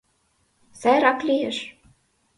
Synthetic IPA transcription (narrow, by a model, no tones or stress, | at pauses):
sæɾɑklʲijeʃ